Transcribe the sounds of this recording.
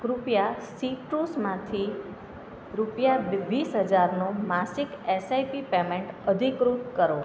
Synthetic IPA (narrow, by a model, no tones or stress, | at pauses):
ɾupjasiʈɾusmãt̪ʰi | ɾupjaʋisɦəd͡ʒaɾnomasikesajpipemeʈəd̪ʱikɾut̪kəɾo